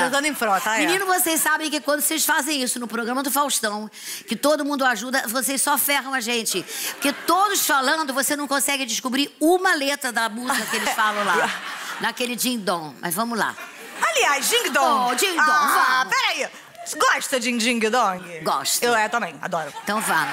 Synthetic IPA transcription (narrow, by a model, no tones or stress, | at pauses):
ẽd̪ɐ̃d̪ẽj̃fɾɔt̪amĩnĩnʊvosejssabẽj̃kɪkwɐ̃nd̪ʊsesfazẽj̃isʊnʊpɾoɡɾɐ̃mɐd̪ʊfawʃt̪ɐ̃w̃ | kɪt̪od̪ʊmũnd̪ʊaʒud̪ɐvosessɔfɛɦɐ̃w̃ɐʒẽnt͡ʃɪpʊket̪od̪ʊsfalɐ̃nd̪ʊvosenɐ̃w̃kõsɛɡɪd͡ʒɪskubɾiũmɐlet̪ɾɐd̪ɐmuzɐkɪelɪsfalɐ̃w̃lanɐkelɪd͡ʒĩɡ̚d̪õmʔɐ̰zvɐ̃mʊla̰ | aliajzd͡ʒĩŋɡd̪õd͡ʒĩɡd̪õvãpɛɾai | ɡɔʃt̪ɐd͡ʒĩd͡ʒĩŋɡd̪õɡɔʃt̪ewɛt̪ɐ̃mbḛ̃j̃a̰d̪ɔɾʊet̪ɐ̃w̃vɐ̰̃